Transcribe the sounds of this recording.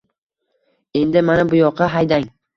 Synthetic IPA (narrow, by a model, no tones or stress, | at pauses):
e̞nd̪ɪmanabʊjɒqʰːɑɦajd̪aŋ